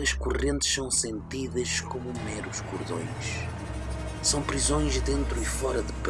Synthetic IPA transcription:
ɐʃkuʁẽnt̪ɨ̥ʃsɐ̃w̃sẽnt̪iðɐʃkomumɛɾuʃkuɾðõ̰j̃ʃ | sɐ̃w̃pɾizõj̃ʒðẽnt̪ɾuifɔɾɐðɨp

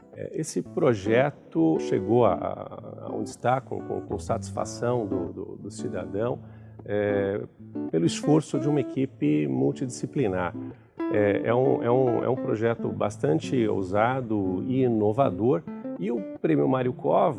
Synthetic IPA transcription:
ɛ̰ʔesɪpɾoʒɛt̪ʊʃeɡowa̰a̰a̰õ̰nd͡ʒɪst̪akõ̰kõ̰kõ̰sat͡ʃi̥sfa̰sɐ̃w̃d̪ʊd̪ʊ̰d̪ʊsid̪a̰d̪ɐ̃w̃ | ɛ | pelʊisfoɾsʊd͡ʒɪũmɐekipɪmuwt͡ʃid͡ʒisiplinaɾ | ɛɛũɛũɛ̰ũpɾoʒɛt̪ʊba̰st̪ɐ̃nt͡ʃɪo̰zad̪ʊɪinovad̪oɾɪʊpɾẽmjʊmaɾiʊkɔv

